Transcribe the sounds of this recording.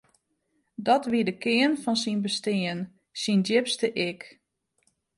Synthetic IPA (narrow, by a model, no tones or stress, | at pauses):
dɔtʋidəkɪənfɔnsinbəstɪən | sindɪpstəʔɪk